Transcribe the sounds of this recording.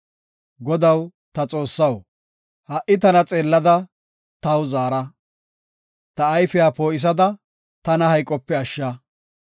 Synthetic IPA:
ɡɔd̪ɐw | t̪ɐt͡sʼo̞ːsːɐw | hɐʔɪt̪̬ɐnɐt͡sʼe̞ːlːɐd̪ɐ | t̪ɐwzaːɾɐ | t̪ɐːjfɪjaːpoːɪs̬ɐd̪ɐ | t̪ɐnɐhɐjkʼːɔpːɛɐʃːɐ

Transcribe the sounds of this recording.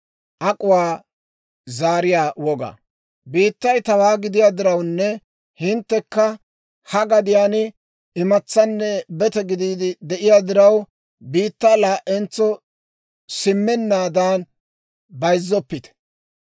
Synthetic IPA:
ʔɐkʼʊwaː | zaːɾɪjaːwɔɡa̰ | biːt̪ːɐjt̪ɐwaːɡɪd̪ɪjaːd̪ɪɾɐwnːɛ | hɪnt̪ːɛkːɐ | hɐɡɐd̪ɪjaːnɪ | ɪmɐt͡sːɐnːɛbɛt̪ɛɡɪd̪iːd̪ɪd̪ɛʔɪjaːd̪ɪɾɐw | biːt̪ːaːlaːʔɛnt͡sːɔ | sɪmːɛnːaːd̪aːn | bɐjzːɔpːɪt̪ɛ̥

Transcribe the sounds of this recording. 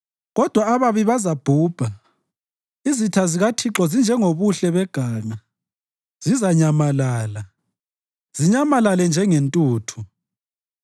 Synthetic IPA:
ɣɔd̥ʱwaβaβiβazab̥ʱuːb̥ʱa | izitʰaziɣatʰiǁɔzind͡ʒʱɛŋoβuɬɛβɛɡ̥ʱaːŋa | z̥izaɲamalaːla | z̥iɲamalalɛnd͡ʒʱɛŋentʼuːtʰu

